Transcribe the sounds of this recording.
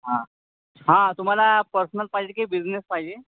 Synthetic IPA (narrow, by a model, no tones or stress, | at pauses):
ɦã | ɦãt̪um̤alapəɾsənəlpaid͡ʑekaibid͡ʑnespajd͡ʑe